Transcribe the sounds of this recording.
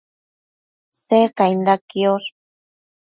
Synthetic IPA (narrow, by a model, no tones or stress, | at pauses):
sekajnd̪akios